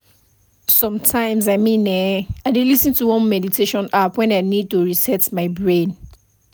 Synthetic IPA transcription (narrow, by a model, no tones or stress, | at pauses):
sɔ̃mtʰãɪ̃mzaɪmĩnɛaɪdelisĩntuwɔ̃nmɛditʰeʃɔ̃napwɛ̃naɪnid̚toɹisɛtmaɪbɹẽn